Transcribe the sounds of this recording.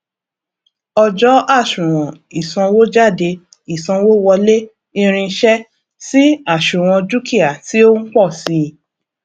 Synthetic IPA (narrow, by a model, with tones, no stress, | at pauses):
ɔ˧d͡ʒɔ˦a˦˨ʃũ˨ɾ̃ɔ̃˨ | i˨sã˧wo˦d͡ʒa˦˨de˧ | i˨sã˧wo˦wɔ˧le˦ | i˧ɾ̃ĩ˧ʃɛ˦ | si˦a˦˨ʃũ˨ɾ̃ɔ̃˧d͡ʒu˦ki˦˨a˨ti˦o˦ŋ̩˦k͡pɔ˦˨si˧˦˧